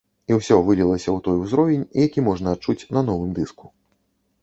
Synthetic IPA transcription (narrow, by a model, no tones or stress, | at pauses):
iwsʲɔvɨlʲilˠɐsʲɐwt̪ɔjuzɾɔvʲɛnʲijakʲimɔʐnɐːt͡ʂut͡sʲnɐnɔvɨmd̪ɨsku̥